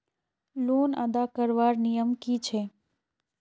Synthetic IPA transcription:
lona̰d̪akəɾʋaɾnijəmkit͡ʃʰe

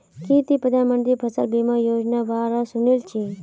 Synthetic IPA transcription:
kiːt̪ipɾəd̪ʱaːnmənd̪iɾpʰɐsəlbiːmajoːd͡ʒnaʋaːɾasunilt͡ʃʰi

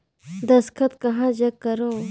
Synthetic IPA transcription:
d̪ɐskʰɐt̪kɐɦãːd͡ʒɐkːɐɾõː

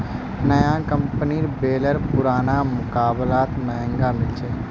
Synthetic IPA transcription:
nəjãkə̃mpəniɾbeːləɾpʊɾaːnamʊkaːblaːt̪məɦə̃ŋɡamɪlt͡ʃʰeː

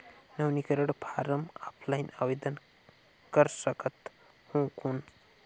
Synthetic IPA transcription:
nəwnikəɾəɽpʰaɾəma̰pʰlajnaʋed̪ən | kəɾsəkət̪ | hũkun

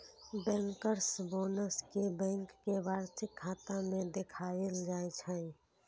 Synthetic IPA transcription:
bɛ̃ːŋkəɾsboːnəskebɛ̃ŋkːeʋaːɾsɪkʰːaːt̪amẽd̪ekʰaːeld͡ʒaːet͡ʃʰə̃

